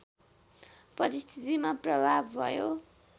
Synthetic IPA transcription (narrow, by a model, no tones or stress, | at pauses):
pʌɾist̪ʰit̪imaprʌbʱabbʱʌ̰jo